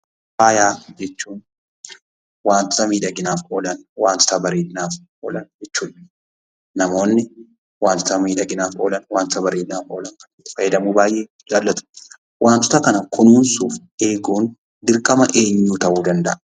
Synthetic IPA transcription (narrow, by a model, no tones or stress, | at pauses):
faːjaːd͡ʒɛt͡ʃːuːn | waːnt̪ʊ̥t̪ɐmiːᶑɐɡɪnaːfʔoːlɐnwaːnt̪ɔ̥t̪ɐbɐɾeːnːaːfʔoːlɐnd͡ʒɛt͡ʃːuːᶑ | nɐmo̞ːnːɪ | waːnt̪ɔt̪ɐmiːᶑɐɡɪnaːfʔoːlɐnwaːnt̪t̪ɐbɐɾeːnːaːfʔo̰ːlɐŋkɐnfɐjɛd̪ɐmuːbaːjʔeː | d͡ʒaːlːɐt̪ʊ̥ | wʔaːnt̪ʊ̥t̪ɐkɐnɐkʰʊnuːnsuːf | e̞ːɡuːn | d̪ɪɾkʼɐmɐʔe̞ːɲːuːt̪ɐʔuːd̪ɐnd̪ɐʔɐ̥